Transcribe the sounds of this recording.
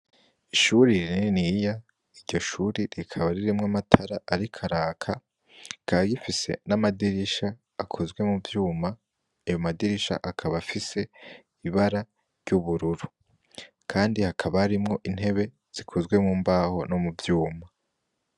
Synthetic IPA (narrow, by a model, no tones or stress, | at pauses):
iʃuɾiɾininija | iɾɟo̞ʃuːɾiɾikʰaβaɾiɾimŋamatʰaɾaʔaɾikʰaɾaːkʰa | kaɡifise̞̰namadiɾiʃaː | kʰo̞zɡwe̞muvjuːma | ajo̞madiɾiʃa̰ʔakʰaβafise̞ | iβaɾa | ɾɟuβuɾuɾu | kʰaːndihakʰaβahaɾimŋo̞ʔin̥he̞βe̞ | z̥ikʰozɡwe̞mŋuːmbaːho̞no̞mubvjuːma